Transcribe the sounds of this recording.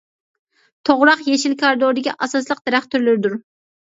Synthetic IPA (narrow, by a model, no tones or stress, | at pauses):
t̪ʰoʁɾɑqjeʃilkʰɑɾɨd̪oɾd̪ɪkʲiʔɑsɑslˠəq̚d̪̥eɾæχt̪ʰyɾlɪɾɪd̪uɾ